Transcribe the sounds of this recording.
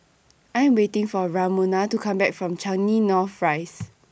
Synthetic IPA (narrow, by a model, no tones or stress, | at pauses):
ãjɛ̃mwetɪ̃ŋfɔɹamonatukʰãmbɛk̚fɹɔ̃mt͡ʃãninɔfɹaɪs